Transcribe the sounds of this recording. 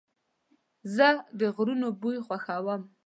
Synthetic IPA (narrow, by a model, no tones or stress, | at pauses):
zəd̪əɣɾunobujxwaxawəm